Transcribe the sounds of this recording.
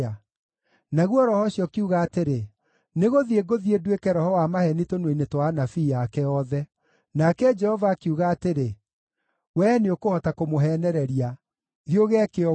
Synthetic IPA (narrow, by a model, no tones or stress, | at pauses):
a | naɣwɔɾɔhɔɕjɔkiuɣaːteɾe | neɣoðieɡoðiedwekɛɾɔhɔwamahɛnitonweinetwanafijakɛɔðɛ | nakɛd͡ʒɛhɔvakiuɣaːteɾe | wɛneokohɔtakomoɦɛnɛɾɛɾia | ðioɣeɛkeɔ